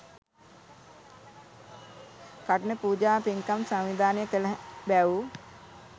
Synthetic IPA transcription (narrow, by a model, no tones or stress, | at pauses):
kaʈənəpuːd͡ʒaːpeŋkamsaŋʋid̪ʱaːnəjəkələɦbæʋu